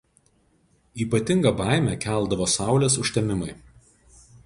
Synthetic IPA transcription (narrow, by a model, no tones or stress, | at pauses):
iːpɐt̪ʲɪŋɡɐbɑˑɪmʲɛkʲæˑlˠd̪ɐʋoːsɑˑʊlʲeːsʊʃʲt̪ʲɛmʲɪmɐɪ